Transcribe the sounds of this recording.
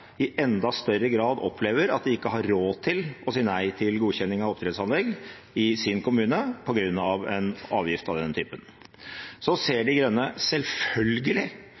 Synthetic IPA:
ɪʔɛnd̪ɑst̪œɾəɡɾɑːd̪ɔ̰pʰleːʋəɾɑ̰t̪̚d̪ɛɪkːəɦɑɾːoːt̪ʰɪlɔsiːənæɪt̪ʰɪlɡuːçɛnːɪŋɑʋɔp̚t̪ɾɛd̪sɑnlɛɡ | ɪsɪnkʰʊmʉːnəpʰɔɡɾʉnːɑʋɛnɑ̰ːʋjɪft̪ɑʋd̪ɛnət̪ʰyːpən | sɔseːɖɪɡɾœnːəsɛlfœlɡəlɪ

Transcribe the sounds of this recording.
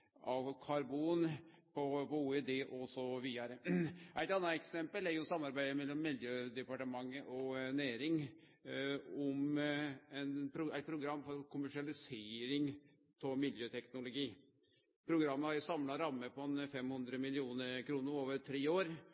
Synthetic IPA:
ʔɑkʰɑɾbuːn | pʰɔpɔuːɛd̪eːʔɔsɔʋiːɑɾəʔæɪt̪ɑnːɑɛksɛmpəlæɾjʊsɑmːɑɾbæɪd̪əmɛlːɔmːɪljøːd̪ɛpɑʈəmɑŋːəʔɔnæːɾɪŋ | ɔm | ɛnpʰɾʊæɪt̪̚pʰɾʊɡɾɑmːfɔɾkʰʊmæʂɪɑlɪseːɾɪŋ | t̪ʰɔmɪljøːt̪ʰɛknʊlʊɡiː | pʰɾʊɡɾɑmːəhɑɾjʊsɑmlɑɾɑmːəpɔɛnfɛmhɵnd̪ɾəmɪlɪuːnəɾkʰɾuːnəɾoːʋəɾt̪ʰɾeːoːɾ

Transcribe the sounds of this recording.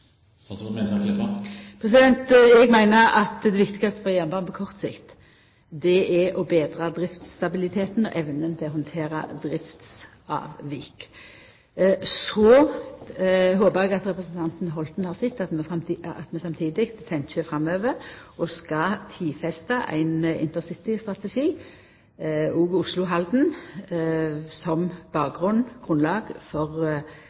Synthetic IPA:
pʰɾɛsɪd̪ɛnt̪ɛɡmæɪnəɾɑt̪d̪ɛʋɪkt̪ɪɡɑst̪ə̥fɔʁjɛnbɑnpʰɔkʰɔʁt̪sɪ̰kt̪ | d̪ɛʔɛʔɔbeːd̪ɾɑd̪ɾɪft̪st̪ɑbɪlɪt̪ʰeːt̪n̩ɔ̰ʔɛʋnənt̪ʰɛɔɦɔnt̪ʰeːɾɑ̰d̪ɾɪft̪s | ɑ̰ːʋʋik | sɔ | ɦoːpəʁɛɡɑt̪ʁɛpʁəsn̩t̪ʰɑnt̪n̩ɦɔlt̪n̩hɑːʁsɪt̪ːɑt̪mɛɑ̰t̪mɛsɑmt̪ʰiːd̪ɪkt̪ʰːɛnt͡ʃəfɾɑmøːʋəʁʔɔskɑt̪ʰiːfɛst̪ɑʔæ̰ɪnɪ̰nt̪əʁsɪt̪ɪst̪ʁɑt̪ɛʃiː | uːɡʊslʊɦɑld̪n̩ | sɔmb̥ɑːk̚ɡʁʉnɡ̥ʁʉnlɑːɡfɔʁ

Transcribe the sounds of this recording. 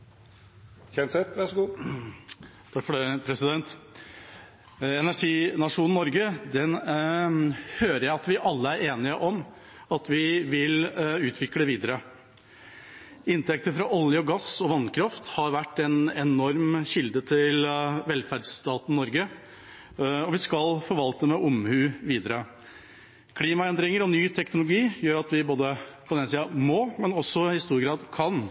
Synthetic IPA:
çɛnsɛt̪ʋæʂɡuː | t̪ʰɑkfɔɛpʰɾɛsɪd̪ɛnt̪ | ɛnæʂiːnɑʂuːnn̩ːɔɾɡəd̪ɛn | høːɾəɾjæɪɑt̪ʋɪʔɑlːəæɾeːnɪəʔɔm | ɑt̪ʋɪʋɪlʉːt̪ʰʋɪkləʋiːd̪əɾə | ɪnt̪ɛk̚t̪əfɾɑʔɔljəɔɡɑsɔʋɑnkʰɾɑft̪hɑɾʋæʈːɛnɛnɔɾmɕɪld̪ət̪ʰɪlʋɛlfæɖst̪ɑːt̪n̩nːɔɾɡə | ɔʋɪskɑlfɔɾʋɑlt̪əmɛʔʊmhʉːʋiːd̪əɾə | kʰliːmɑɛnd̪ɾɪŋəɾɔnyːt̪ʰɛknʊlʊɡiːjøːɾɑt̪ʋɪboːd̪əpʰɔd̪ɛnsiːɑmomɛnɔsːɔɪst̪uːɾɡɾɑːd̪kʰɑn

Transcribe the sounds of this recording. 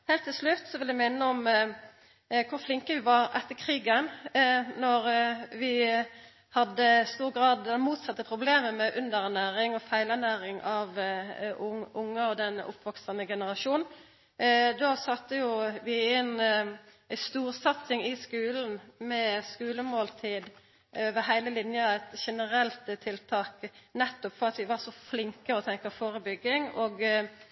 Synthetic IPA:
heːlt̪ʰːɪlslʉt̪ːsɔʋɪljæmɪnːəɔm | kʰʊɾflɪŋkəʋɪʋɑɾʔɛt̪ːəkʰʁiːɡənnɔɾʋɪ | hɑd̪ːəst̪uːʁɡɾɑːd̪ɛmuːt̪sɑt̪ːəpʰʁʊbleːməmɛʔʉnd̪əɾænæːɾɪŋɔfæɪlænæːɾɪŋɑʋ | ʊʊŋːəɔd̪ɛnʊ̰pʰʋɔksənəɡɛnəʁɑʂuːnn̩ | d̪oːsɑt̪ːəjʊʋɪæn | st̪uːɾsɑt̪sɪŋɪskʉːln̩mɛskʉːləmoːlt̪ʰiːd̪ | øːʋəɦæɪləlɪnjəæɪt̪ʃɛnəɾɛlt̪t̪ʰːɪlt̪ʰɑːknɛt̪ːɔpfɔʁɑt̪ʋɪʋɑʂɔflɪŋkəɔt̪ʰɛŋkəfoːɾəbʏɡːɪŋoːɡ

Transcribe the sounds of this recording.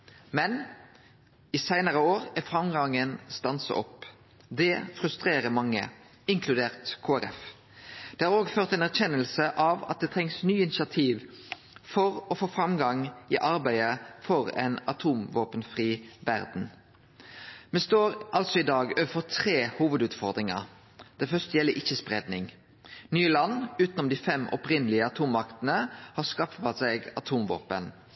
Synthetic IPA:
mɛn | isæɪnəʁəoːʁæfʁɑmɡɑŋənst̪ɑnsə̰ʔɔ̰pː | d̪ɛfʁʉst̪ʁeːʁəmɑŋːə̰ | ɪŋkʰlʉd̪eːʁt̪kʰoːæɾɛ̰f | d̪̥ɛːhɑːʁoːɡføːʁt̪ɛːnæʁçɛnːəlsəʔɑʋɑ̰t̪̚d̪ɛt̪ʰɛŋsnyːɪnɪsɪɑt̪ʰiːʋ | fɔʁɔfoːfʁɑmɡɑŋʔiːʔɑɾbæɪəfɔʁɛ̰nɑt̪ʰuːmʋoːpənfʁiːʋæʁd̪n̩ | mɛst̪oːɾʔɑlt̪sɔɪd̪ɑːɡøːʋəfɔʁt̪ʰʁeːhuːʋəd̪ʉːt̪fɔʁd̪ɾɪŋɑ̰ | d̪̥ɛfœst̪əjɛlːəɾɪçːəspʁɛd̪nɪŋ | nyːəlɑnːʉːt̪nɔmd̪iːfɛmʔɔ̰pʁɪnəlɪəɑt̪ʰuːmːɑkt̪ənəhɑskɑfɑsɛɡɑt̪ʰuːmʋo̰ːpən

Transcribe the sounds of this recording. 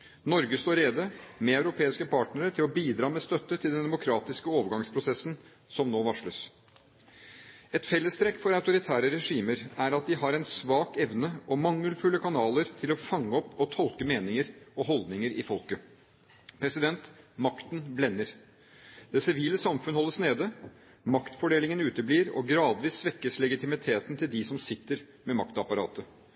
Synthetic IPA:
nɔɾɡəst̪oːɾeːd̪əmɛɑʉɾʊpʰeːɪskəpʰɑːʈnəɾəʈʰɪlɔbiːd̪ɾɑːmɛst̪œt̪ːət̪ʰɪld̪ɛnd̪ɛmʊkʰɾɑːt̪ɪskəoːʋəɾɡɑŋspʰɾʊsɛsn | sɔmnoːʋɑʂləs | ɛt̪fɛlːəst̪ɾɛkːfɔɾɑʉt̪ʊɾɪt̪ʰæːɾəɾɛʂiːməɾæɾɑt̪̚d̪ɪɦɑɾɛnsʋɑːkɛʋnəʔɔmɑŋːəlfʉːləkʰɑnɑːləɾt̪ʰɪlɔfɑŋːəɔpːɔt̪ʰɔlkəmeːnɪŋəɾɔɦɔld̪nɪŋəɾɪ̰fɔlkə | pʰɾɛsɪd̪ɛnt̪mɑkt̪n̩blɛnːəɾ | d̪̥ɛsɪʋiːləsɑmfʉnəhɔlːəsneːd̪ə | mɑkt̪fɔɖeːlɪŋənʉːt̪əbliːɾɔ̰ɡɾɑːd̪ʋiːsːʋɛkːəslɛɡɪt̪ʰɪmɪt̪ʰeːt̪n̩t̪ʰɪld̪ɪsɔmsɪt̪ːəɾ | mɛmɑkt̪ɑpɑɾɑ̰ːt̪ə

